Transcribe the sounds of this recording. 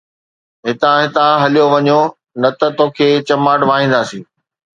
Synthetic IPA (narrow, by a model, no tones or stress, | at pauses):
ɦɪt̪ãɦɪt̪ãɦɐlijoʋɐɲo | nɐt̪ət̪oːkʰeːt͡ɕɐmaːʈʋaːɦĩːnd̪aːsĩː